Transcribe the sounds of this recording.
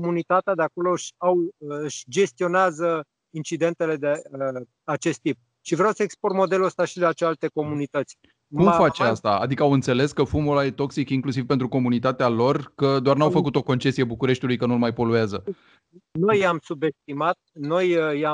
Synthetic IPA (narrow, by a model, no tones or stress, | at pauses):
komunit̪at̪ead̪eako̞lo̞ʃawɨʃd͡ʒe̞st̪io̞neazə | int͡ʃid̪e̞nt̪e̞le̞d̪e | at͡ʃe̞st̪ːip̚ | ʃivɾeawsəekspormo̞d̪e̞luəst̪aʃid̪eat͡ʃealt̪e̞ko̞munit̪ət̪sʲ | kuumfat͡ʃeast̪a̰a̰d̪ikəawɨnt̪se̞le̞skəfumulajet̪o̞ksikiŋklusivpent̪ɾuko̞munit̪at̪ealo̞rkəd̪oarnawfəkut̪o̞ko̞nt͡ʃe̞sijebukuɾe̞ʃt̪iulujkənulmajpo̞luazə | no̞jamsube̞st̪̚imat̪̚no̞ja